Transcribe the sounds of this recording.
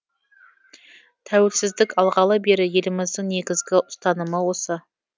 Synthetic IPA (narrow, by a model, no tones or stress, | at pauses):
t̪ʰæwelsɪzd̪ɪkɑlˠʁɑlˠəbe̞ɾɪje̞lɪmɪzd̪ɪŋne̞ɡʲɪzɡʲɪʔʊst̪ɑnəməwo̞sə